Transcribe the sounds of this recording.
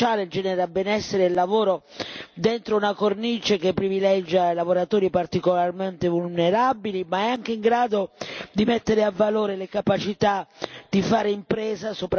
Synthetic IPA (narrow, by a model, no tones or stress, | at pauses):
aːled͡ʒɛːneɾabːɛnɛsːeɾeilːavoːɾo | d̪ent̪ɾounakornit͡ʃek̟epːɾivilɛd͡ʒːalavoɾat̪oːɾipart̪ikolarment̪evulneɾabilimaɛaŋk̟eiŋɡɾaːd̪od̪imet̪ːeɾeavːaloːɾelekapat͡ʃit̪ad̪̥ifaːɾeimpɾɛːzasopɾ